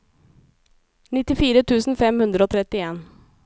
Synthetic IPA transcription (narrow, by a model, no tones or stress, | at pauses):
nɪt̪ɪfiːɾət̪ʰʉːsn̩fɛmhʉnd̪ɾəoːt̪ʰɾɛt̪ːɪeːn